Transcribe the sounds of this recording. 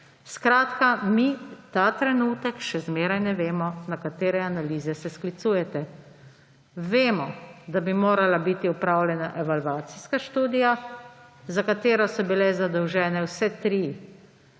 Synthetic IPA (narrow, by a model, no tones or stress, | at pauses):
skɾaːt̪kamit̪aːt̪ɾɛnuːt̪ɛkʃɛzmeːɾajnɛʋeːmɔnakat̪eːɾɛanaliːzɛsɛsklit̪suːjɛt̪ɛ | ʋeːmɔd̪abimoːɾalabit̪iɔpɾaːwlʲjɛnaʔɛʋalʋaːt̪siskaʃt̪uːd̪ija | zakat̪eːɾɔsɔbilɛzad̪ɔwʒɛːnɛwsɛt̪ɾiː